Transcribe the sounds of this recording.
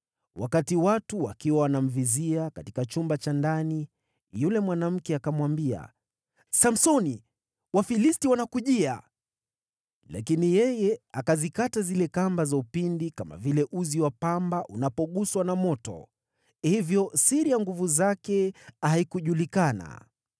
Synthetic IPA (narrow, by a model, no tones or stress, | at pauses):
wʔa̰katiwatuwakiwawanam̩viziakatikat͡ʃumbat͡ʃandani | julɛmwanam̩kɛakamwambia̰ | sam̩sɔni | wafilistiwanakuʄia̰ | la̰kinijɛjɛakazikatazilɛkambazaupindikama̰vilɛʔuziwapambaʔunapɔɠuswanamɔtɔ̰ | hivjɔsiɾijaŋɡuvuzakɛaikuʄulikana̰